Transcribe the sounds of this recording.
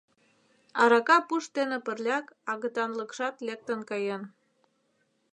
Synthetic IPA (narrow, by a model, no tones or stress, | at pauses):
ɑɾɑkɑpuʃt̪enĕpə̆rlʲɑkɑɣə̆t̪ɑnlə̆kʃɑt̪lek̚t̪ə̆nkɑjen